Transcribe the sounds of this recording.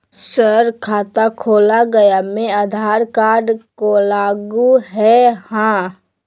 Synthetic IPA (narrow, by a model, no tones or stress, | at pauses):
səɾkʰaːt̪akʰoːlaɡɐjamẽad̪ʱaːɾkaːɾɖkolaːɡuɦɛhãː